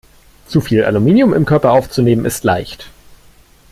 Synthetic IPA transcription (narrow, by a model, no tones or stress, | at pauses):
t͡sufiːlʔa̰lumiːnjʊmɪ̰mkʰœɐpɐʔaʊft͡suneːmənɪstla̰ɪçt